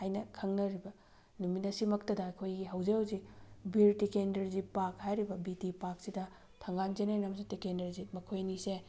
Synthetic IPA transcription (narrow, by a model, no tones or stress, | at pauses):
hajnɐkʰɐŋnɐɾibɐ | numinɐsimɐk̚tɐdɐːkʰojɡiɦɐwzewzibiɾtikendɐɾzipak̚hajɾibɐbitipak̚sidɐ | tʰɐŋɡand͡ʒenenɐmsitikendɐɾzimɐkʰojnise